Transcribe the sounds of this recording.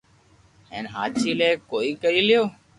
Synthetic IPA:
ḛːnɦaːt͡ʃiːleːkoːiːkəɾiːlɪjoː

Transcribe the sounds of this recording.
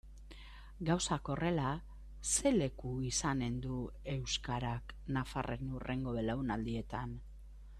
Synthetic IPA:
ɡawsako̞re̞la | se̞le̞kuisane̞nd̪ue̞wskaɾaknafa̰rʔenure̞ŋɡo̞βelawnald̪ie̞t̪an

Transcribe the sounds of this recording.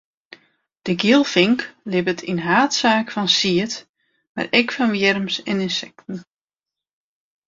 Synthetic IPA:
d̥əɡilˠfɪŋklɪbətʰinɦaːtsaːkfɔnsiət | ma̰rɛkfɔnʋjɛrmsɛnɪnsɛk̚tn̩

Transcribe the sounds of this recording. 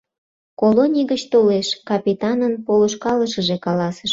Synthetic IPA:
kolonʲiɡət͡ɕt̪oleʃkɑpʲit̪ɑnənpoloʃkɑləʃəʒekɑlɑsəʃ

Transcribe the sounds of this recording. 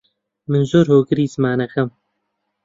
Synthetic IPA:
mɨnzoːɾhoːɡɨɾiːzɨmaːnɐkɐm

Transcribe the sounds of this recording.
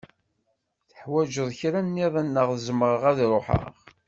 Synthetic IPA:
θə̥ħwæd͡ʒəðˤçɾænːiðˤænːəʁθəzəməʁəʁæðɾˤoħə̰ʁ

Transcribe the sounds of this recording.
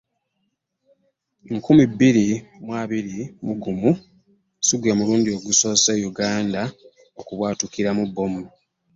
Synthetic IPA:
ŋkumibːiɾimwaːβiɾimuɡumu | siɡwe̞ːmuluːndio̞ɡuso̞ːseːjuɡaːnda | okuβwaːtukiɾamubːo̞m

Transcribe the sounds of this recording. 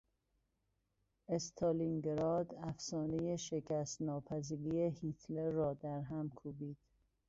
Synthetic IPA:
est̪ʰɑliŋɡeɾɒːd̪æfsɒːnejeʃecʰæst̪nɒːpʰæziːɾiehit̪ʰleːɒːd̪æɾɦæmkʰuːbiːd̪̥

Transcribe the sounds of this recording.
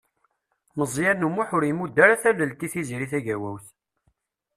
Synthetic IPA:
məzˤjæɾnumuħʊɾjəmud̪ːæɾæθælːəlt̪iθiziɾiθæʝæwæwθ

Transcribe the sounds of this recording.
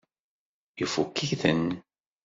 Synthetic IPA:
jufukːiçθən

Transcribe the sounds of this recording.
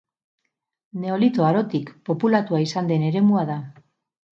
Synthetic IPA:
ne̞o̞lit̪oaɾo̞t̪ikpo̞pulat̪uaisand̪e̞ne̞ɾe̞muað̞a

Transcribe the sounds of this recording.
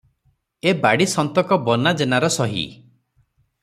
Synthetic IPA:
ebaɽisɔnt̪ɔkɔbɔnad͡ʒenaɾɔsɔɦḭ

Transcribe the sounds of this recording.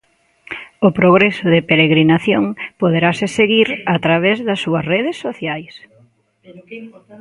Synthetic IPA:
ʊpɾoɣ̞ɾesʊðɪpeɾeɣɾinaθjoŋpoðeɾasɪseɣiɾat̪ɾaβ̞ezðɐsːuɐsreðesːoθjajs

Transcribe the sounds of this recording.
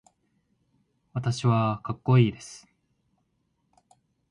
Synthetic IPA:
βat̪aɕiβakakːo̞iːd̪e̞sɨ̥

